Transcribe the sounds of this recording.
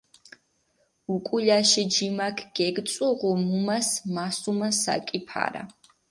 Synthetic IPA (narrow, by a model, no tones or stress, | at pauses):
ukʼuʎaʃɛd͡ʒimakʰɡ̥ɛɡt̪sʼɔʁɔmumasmasumasa̰kʼipʰa̰ɾa̰